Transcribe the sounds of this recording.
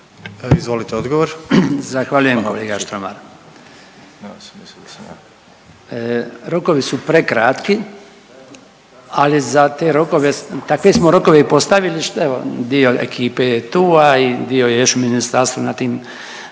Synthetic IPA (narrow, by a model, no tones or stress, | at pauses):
izʋolit̪eod̪ɡoʋoɾzaxʋaʎuje̞mkoleːɡaʃt̪ɾoma̰ɾ | ɾo̞koʋisupɾekɾat̪ki | alizat̪eɾoko̞ʋe̞t̪akʋesmo̞ɾo̞ko̞ʋe̞ipo̞st̪aʋiliʃt̪eʋo̰d̪io̞ḛkʰiːpe̞jet̪uːaid̪io̞jejoʃuminist̪aɾst̪ʋunat̪iːm